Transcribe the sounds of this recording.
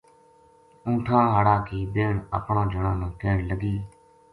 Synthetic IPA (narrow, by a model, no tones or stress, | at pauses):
ũːʈʰãːɦəɽaːkiːbeːɳə̰pɳãːd͡ʒʱəɳãːnãːkeːɳləɡiː